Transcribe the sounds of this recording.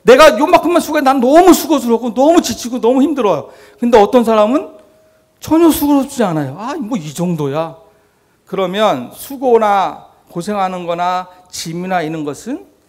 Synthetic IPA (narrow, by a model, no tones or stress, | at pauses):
ne̞ɡajomakʰɯmʌnsʰuɡenanʌmusʰuɡod͡ʑuɾʌk͈onʌmut͡ɕit͡ɕʰiɡonʌmuçimdɯɾʌjo | kɯnde̞ʌt͈ʌns̬ʰaɾamɯn | t͡ɕʌɲʌsʰuɡoɾʌt͡ɕianajoamwʌid͡ʑʌŋdoja | kɯɾʌmjʌnsʰuɡona | kosʰe̞ŋɦanɯnɡʌnat͡ɕiminainɯnɡʌsʰɯn